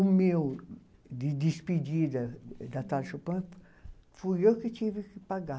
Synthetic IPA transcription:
umew | d̪id̪ispid̪id̪ɐd̪at̪alʃopɐ̃p | fuekit̪ivikipaɡa

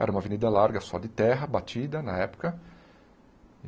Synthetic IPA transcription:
ɛ̰ɾɐũmɐvenid̪ɐlaɾɡɐsɔ̰d̪ɪt̪ɛɦɐbat͡ʃ̪id̪ɐnɐɛpʊ̥kɐ

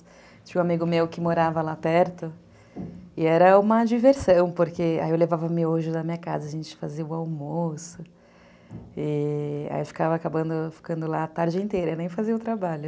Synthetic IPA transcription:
t͡ʃĩɲʊ̃amiɡʊmewkɪmoɾavɐlapɛɾt̪ʊ | ɪɛɾɐũmɐd͡ʒiveɾsɐ̃w̃poɾkea̰jewlevavɐmɪoʒʊd̪ɐmĩɲɐkazɐʒẽnt͡ʃɪ̥faziɐʊawmosʊ | ia̰iwfi̥kavɐːkabɐ̃nd̪ʊfi̥kɐ̃nd̪ʊlat̪aɾd͡ʒɪẽnt̪ejɾɐenẽj̃faziɐʊt̪ɾabaʎʊ

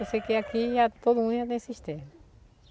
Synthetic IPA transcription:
osekeakiʒat̪od̪umũnd̪jat̪ẽj̃siʃt̪ẽmɐ

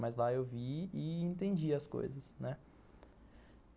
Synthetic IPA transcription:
mɐzlaewviɪẽnt̪ẽnd͡ʒiɐsko̰jzɐsnɛ

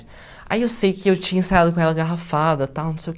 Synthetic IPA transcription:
ɪ | a̰iewsejkɪewt͡ʃĩɲɐ̃sajad̪ʊkõɛlɐɡaɦafad̪ɐt̪awnũsejʊk

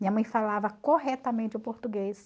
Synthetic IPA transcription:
mĩɲɐmɐ̃j̃falavɐkoɦɛt̪ɐmẽt͡ʃɪʊpoɾt̪uɡes

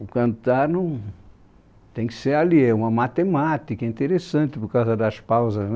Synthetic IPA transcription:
ʊkɐ̃nt̪aɾnɐ̃w̃ | t̪ẽj̃kɪ̥seɾaliɛũmɐmat̪emat̪ikɐĩnt̪eɾesɐ̃nt̪ɪpoɾkawzɐd̪ɐspawzɐz

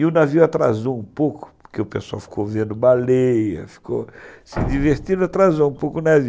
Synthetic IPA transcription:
iʊnaviwat̪ɾazũũpowkʊ̥pʊ̥ɾkeʊpesa̰wfi̥kʰowvẽnd̪ʊbalejɐ̰fi̥ko̰sɪd̪iveɾt̪ĩd̪at̪ɾazũũpowkʊnavi

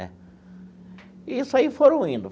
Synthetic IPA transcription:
ɛ̰ | iisʊaifoɾɐ̃w̃ĩnd̪ʊ

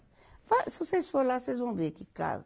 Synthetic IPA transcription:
vasivosesfoɾlasejzvɐ̃w̃vekɪka̰zɐ

